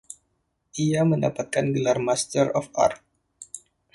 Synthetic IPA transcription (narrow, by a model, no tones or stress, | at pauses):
ʔiaməndapat̪̚kanɡəlarmast̪əɾɔfa̰rt̚